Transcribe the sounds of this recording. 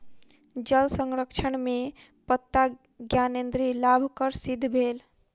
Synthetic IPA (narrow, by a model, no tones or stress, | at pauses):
d͡ʒəlsəŋɾəkʃʰəɳme | pət̪ːa | ɡjanend̪ɾilabʱkəɾsid̪ʱːbʱeːl